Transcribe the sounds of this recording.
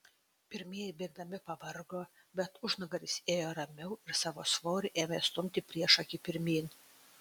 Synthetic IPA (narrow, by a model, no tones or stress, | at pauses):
pʲɪɾʲmʲeɛjɛbʲeːɡ̚d̪ɐmʲɪpɐʋɐɾɡoː | bʲɛt̪ʊʒnɐɡɐɾʲɪsʲeːjoːɾɐmʲɛʊɪɾsɑːʋo̰ːsʋoːɾʲɪʔeːmʲest̪ʊmʲt̪ʲɪpʲɾʲiɛʃɐkʲɪpʲɪɾʲmʲiːn